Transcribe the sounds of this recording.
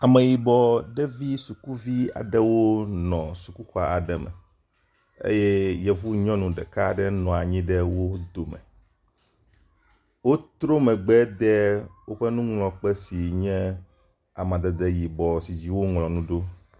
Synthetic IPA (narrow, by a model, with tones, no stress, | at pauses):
a˨mɛ̃˨ji˨bɔ˨ɖɛ˦vi˦su˨ku˦vi˦a̰˨ɖɛ˦wo˦nɔ̃˨su˨ku˦xɔ˦a˨ʔa˨ɖɛ˨mɛ̰˨ | ḛ˦jɛ˦jɛ˨vu˦ɲɔ̃˦nũ˨ɖɛ˨ka˦ɖɛ˦nɔ̃˨a˨ɲĩ˦ɖɛ˦wo˦d̪o˨mɛ̰̃˨ | wo˦t̪ɾo˦mɛ̃˨ɡ͡bɛ˦d̪ɛ˦wo˦ɸɛ˦nũ˦ŋlɔ̃˨k͡pɛ˦si˨ɲɛ̃˦ | a˨mã˨d̪ɛ˨d̪ɛ˦ji˨bɔ˨si˨d͡ʑi˦wo˦ŋlɔ̃˨nũ˦ɖo˦